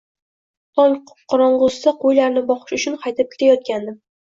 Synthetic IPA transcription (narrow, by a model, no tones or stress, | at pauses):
t̪ʰɒŋ | qʰɒɾɒɴʁʊssaqʰojlaɾnɪbɒχɨ̥ʃʊt͡ʃʰʊnqʰɑjt̪ɪp̚kʲʰɪ̥t̪ʰajɒt̪̚kʲand̪ɪm